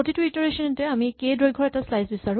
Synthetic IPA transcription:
otitwitɔɹesɔntɛamikejdɹojɡʱɔɹɛtaslajsbisaɹʊ̃

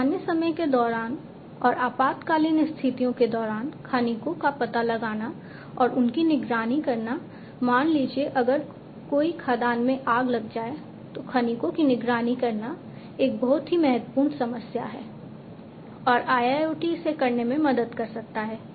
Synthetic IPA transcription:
aːnjəsɐməjked̪ɔːɾaːn | ɔːɾaːpaːt̪kaːliːnɪst̪ʰɪt̪ijõked̪ɔːɾaːnkʰanikõkapɐt̪alɐɡaːna | ɔːɾʊnkinɪɡɾaːnikɐɾna | maːnliːd͡ʒieʔɐɡəɾ | koːikʰaːd̪aːnmẽʔaːɡlɐɡd͡ʒaːe | t̪okʰɐnikõkinɪɡɾaːnikɐɾna | eːk̚bɐɦʊt̪ɦimɛɦət̪wpuːɾɳsɐməsja̰ɦɛ̰ː | ɔːɾʔaːjaːjoːʈisekɐɾnemẽmɐd̪əd̪kɐɾsɐk̚t̪aɦɛː

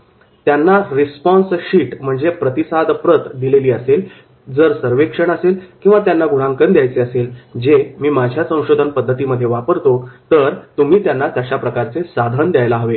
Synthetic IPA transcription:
t̪janːaɾispɔ̃nsɕiːʈm̤əɳd͡zepɾət̪isad̪pɾət̪d̪ileliːəsel | d͡zəɾsəɾʋekʂəɳəselkĩw̃ʋat̪janːaɡuɽ̤aŋkənd̪jajt͡seəseld͡zemiːmad͡ʑʱjasə̃w̃ɕod̪ʱənpəd̪ʱːət̪iːməd̪ʱːjeʋapəɾt̪ot̪əɾt̪umiːt̪janːat̪jaɕapɾəkaɾt͡sesad̪ʱənd̪jajlaɦəʋe

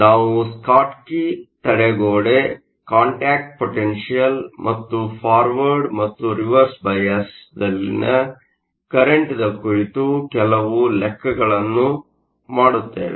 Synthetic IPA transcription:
naːʋuskaːʈkit̪ɐɽeɡoːɽe | kaːɳʈaːk̚ʈ̚poʈenʂijɐlmʔɐt̪ːupʰaːɾʋɐɾɖmɐt̪ːuɾiʋɐɾsbɐjɐsd̪ɐlːḭnɐ | kɐɾeɳʈid̪ɐkuɾit̪ukɛlɐʋulɛkːɐɡɐɭɐnːu | maːɽut̪ːḛːʋe

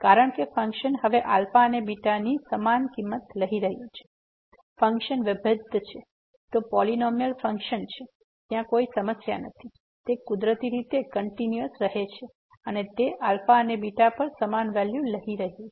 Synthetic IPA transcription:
kaɾəɳ̃kefəŋkʃənɦəʋeʔalfaənebiʈanisəmankimːət̪ləɦiɾəɦijut͡ʃʰe̥ | fə̃ŋkʃənʋəbʱəd̪ʱt͡ʃʰe | t̪opɔlinɔmjəlfə̃ŋkʃənt͡ʃʰe | t̪jãkoisəməsja̰nət̪ʰi | t̪ekud̪ɾət̪iɾit̪ekəɳʈinjəsɾəɦet͡ʃʰe | ənet̪eʔalfaənebiʈapəɾsəmanʋɛljuləɦiɾəɦiju

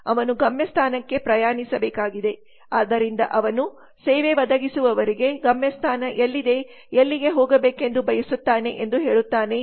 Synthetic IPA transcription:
ɐʋɐnuɡɐmjɐst̪ʰaːnɐkːe̞pɾɐjaːnisɐbɛːkaːɡid̪e̞ | aːd̪ɐɾind̪ɐ̰ʔɐʋɐnu | seːʋeʋɐd̪ɐɡisuʋɐʋɐɾiɡe̞ɡɐmjɐst̪ʰaːnɐʔelːid̪e̞ | elːiɡe̞ɦoːɡɐbeːke̞nd̪ubɐjɐsut̪ːaːne̞ʔend̪uɦe̞ːɭut̪ːaːne̞

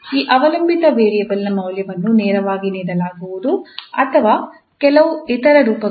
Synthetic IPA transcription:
iːʔɐʋɐlɐmbit̪ɐʋeːɾijɐʋɐlːɐmɐwljɐʋɐnːunɛːɾɐʋaːɡiniːɽɐlaːɡuʋud̪uɐ̰t̪ʰɐʋaː | kɛlɐʋuit̪ɐɾɐɾuːpɐ

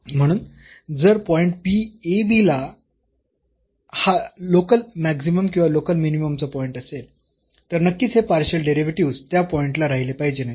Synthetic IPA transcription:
m̤əɽ̃uːn | d͡zəɾpɔiɳʈ̚piebila | halokəlmæksiməmkĩʋalokəlminiməmt͡səpɔiɳʈəsel | t̪əɾnəkːiːt͡sɦepaɾɕəlɖeɾiʋʈiʋst̪japɔiɳʈlaɾaɦilepaɦid͡ʑenaj

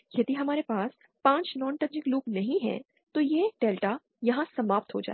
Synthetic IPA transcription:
jɐd̪iɦɐmaːɾepaːs | pãːt͡ʃnɔ̃ːnʈɐ̃nd͡ʒɪkloːɡnɐɦĩɦɛ̰̃ː | t̪ojeːɖɛːlʈa | jɐɦãsɐmaːp̚t̪ɦo̰d͡ʒa̰ː

